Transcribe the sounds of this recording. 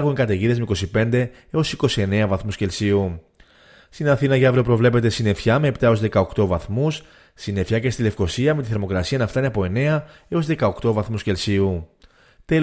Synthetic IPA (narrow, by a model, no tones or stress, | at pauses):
ɾɣuŋkɐt̪eʝiðe̞zmeiko̞sipe̞nd̪e̞ | eo̞siko̞sie̞ne̞ɐvɐθmusce̞lsiu | st̪inɐθinɐʝɐvɾo̞pɾo̞vle̞pe̞t̪e̞sine̞fçɐme̞ːpt̪ɐo̞zðe̞kɐo̞kt̪o̞vɐθmus | sine̞fçɐcest̪ile̞fko̞siɐme̞t̪iθeɾmo̞kɾɐsiɐnɐft̪ɐneɐpo̞e̞ne̞ɐeo̞zðe̞kɐokt̪o̞vɐθmusce̞lsiu | t̪e